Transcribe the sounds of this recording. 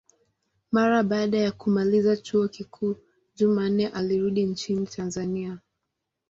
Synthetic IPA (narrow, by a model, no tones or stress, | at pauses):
maɾaɓaːɗajakumalizat͡ʃuɔkikʰuː | d͡ʒuman̩nɛʔaliɾuɗint͡ʃinitʰanzania